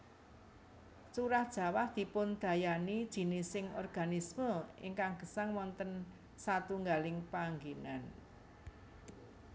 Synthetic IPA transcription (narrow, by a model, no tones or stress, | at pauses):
t͡ʃuɾahd̥ʒ̥ä̤wahd̪̥i̤pʊnd̪̥ä̤janid̥ʒ̥i̤nɪsɪŋɔ̰rɡ̥a̤nisməɪ̰ŋkaŋɡ̥ə̤saŋwɔnt̪ən | sat̪uŋɡalɪŋpaŋɡinan